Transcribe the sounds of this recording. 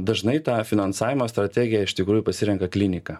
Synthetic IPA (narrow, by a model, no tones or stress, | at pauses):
d̪ɐʒnɐɪt̪ɑːfʲɪnɐnsɑːʋʲɪmoːst̪ɾɐt̪ʲɛɡʲɪjɛɪʃt̪ʲɪkɾuːjupɐsʲɪɾʲɛŋkɐklʲɪnʲɪkɑː